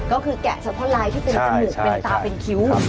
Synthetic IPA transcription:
kɔː˥˩kʰɯː˧kɛ̰˨˩sa˧˥t̪ʰɔː˥˩laː˨˦˥jt̪ʰiː˥˩pe˧nsa˧m˧ɯ˨˩k̚pe˧nt̪aː˧pe˧nkʰi˦˥w

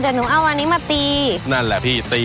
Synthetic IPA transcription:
da˨˩nuː˨˩˦ʔa˧˩˨waː˧niː˦˥maː˧˩t̪iː˧na˥˩nlɛ˨˩pʰiː˥˩t̪iː˧

